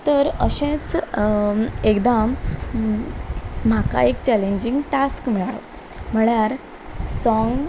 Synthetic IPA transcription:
t̪əɾəɕẽt͡s | ekd̪am | aka̰ekt͡ɕæleɲd͡ʑiŋɡʈaskmiɭaɭo | m̤əɭjaɾ | sɔŋɡ

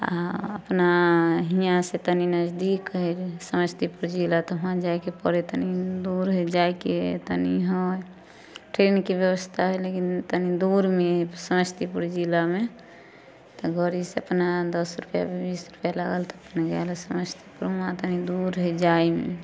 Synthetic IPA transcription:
a̰əpnaɦijãset̪əninəzd̪ikɦɔsəməst̪ʰipuɾd͡ʒilat̪ɔɦãd͡ʒajkepəɾet̪ənid̪uɾɦed͡ʒajket̪əniɦɔj | ʈɾenkebjəβəst̪ʰaɦɛlekint̪ənid̪uɾmesəməst̪ʰipuɾd͡ʒilame | t̪ɔɡɔɾiseəpnad̪əsɾupja̰bebisɾupjalaɡəlt̪ɔəpnaɡɛlɛsəməst̪ʰi̥puɾmãt̪ənid̪uɾɦəd͡ʒaimḛ

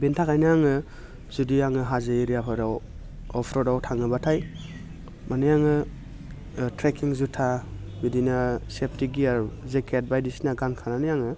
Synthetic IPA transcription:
bintʰakʰajnaaŋɯ | zudijaŋɯɦazɯɾijapʰɯɾaw | ɔpʰɾɔdawtʰaŋɯbatʰaj | manɯjaŋɯ | tɾekiŋzutʰa | bidinasep̚tiɡiaɾzekʰet̚bajdisinaɡankʰananɯjaŋɯ

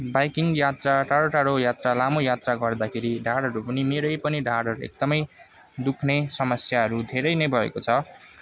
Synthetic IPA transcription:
bajkiŋjat̪raʈaɽoʈaɽojat̪ralamojat̪raɡʱʌrd̪akʰeɾiɖʱaɽɦʌɾupʌnimeɾʌjpʌniɖʱaɽɦʌɾuḛk̚d̪ʌmʌj | d̪ukʰnesʌmʌsjaɦʌɾud̪ʱeɾʌjnʌjbʱʌḛkot͡sʰʌ

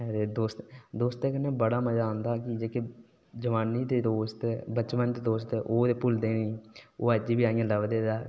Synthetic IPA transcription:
ɛɾeːd̪oːst̪d̪oːst̪ẽːkənẽːbəɽaːməd͡ʒaːʊ̃nd̪aːkɪd͡ʒeːkeː | d͡ʒəʋaːniːt̪eːd̪oːst̪ːbət͡ʃʋənt̪eːd̪oːst̪ʔoːd̪eːpʊld̪eːneoːəd͡ʒiːbiːaːijãːləʋd̪eːd̪aː

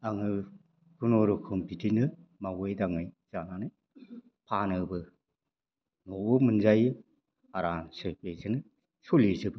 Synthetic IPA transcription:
aŋɯ | ɡunoɾukʰɔmpʰitinɯmawɯjdaŋɯjz̥ananɯj | pʰanɯbɯ | nɔomɯnzajɯ | aɾansɯbezɯnɯ | solizɯbɯ

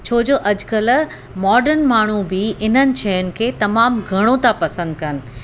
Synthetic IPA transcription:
t͡ɕʰoːd͡ʑoːʔɐd͡ʑʊkɐl | mɔːɖəɾnmaːɳ̤ubɪɪnənɪ̆ʃɐːʊnɪ̆kʰeːt̪ɐmaːmɡʱɐɽ̃ot̪ʰãpɐsə̃nd̪̚kɐnɪ̆

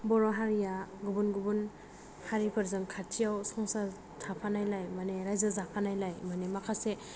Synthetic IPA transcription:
bɔɾɔɦaɾijaɡubunɡubun | haɾipʰɯɾzɯŋkʰatʰijawsɔŋsa | tʰapʰanajlajmaneɾajzazakʰanajlajmanemakʰase

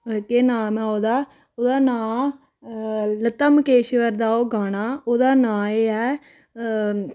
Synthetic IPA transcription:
et̪eːnãːmãoːd̪aː | od̪aːnãː | lət̪əmkeːʃʋɐɾd̪aːoːɡaːnaːoːd̪aːnãːeɛː

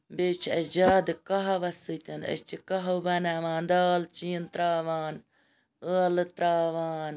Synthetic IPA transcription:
beːt͡ʃʰɐd͡ʒaːd̪ɨkɐɦɐʋɐsɨt̪ʲɐnɐ̰t͡ʃikɐɦɐwbɐnaːʋãːnd̪aːlt͡ʃiːnt̪ɾaːʋaːn | əːlɨt̪ɾaːʋaːn

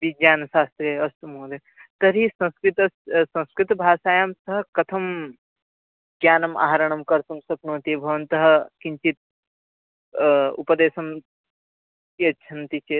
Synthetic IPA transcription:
bid͡ʒaːnʃaːst̪ɾeɐst̪umoːd̪e | t̪ɐɾisɐ̃skɾit̪ɐssɐ̃nskɾit̪bʱaːsaːjɐmsɐɦɐ̆kɐt̪ʰɐm | ɡjaːnɐma̰ɦɾɐɳ̃ɐmkɐɾsɐmsɐknuːt̪ibʱɐʋɐnt̪ɐɦɐ̆kiɲt͡ʃit̪̚ | upɐd̪eːsɐm | kiɐtːʃʰɐnt̪it͡ʃe

